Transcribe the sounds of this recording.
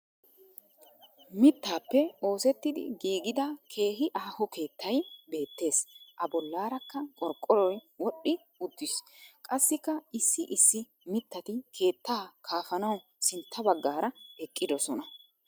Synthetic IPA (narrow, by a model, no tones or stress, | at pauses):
mɪt̪ːaːpːɛo̞ːsɛt̪ːɪd̪ɪ̰ɡiːɡɪd̪ɐkʰe̞ːɦɪʔaːhɔke̞ːt̪ːɐjbe̞ːt̪ːe̞ːsʔɐbɔlːaːɾɐkːɐkʼɔɾkʼːɔɾɔjwɔɗːɪ | ʊd̪ːɪskʼɐsːɪkːɐʔɪsːɪʔɪsːɪ | mɪt̪ːɐt̪ɪkʰe̞ːt̪ːaːkʰaːfɐnɐwsɪnt̪ʰːɐbɐɡːaːɾɐɛkʼːɪd̪ɔsɔnɐ